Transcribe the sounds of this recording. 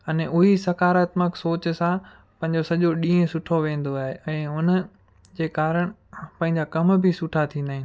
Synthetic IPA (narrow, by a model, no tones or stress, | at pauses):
ɐneʔʊɦisɐkaːɾət̪məksoːt͡ɕsã | pɐ̃ɦɪ̃ɲd͡ʑosɐʄoɗĩːɦẽsʊʈʰoʋẽːn̆d̪oaːɦeɛ̃ːʊn | d͡ʑeːkaːɾəɽ̃pɐ̃ɦɪ̃ɲd͡ʑakɐmbʱɪsʊʈʰat̪ʰĩnd̪aːɦɪ̃n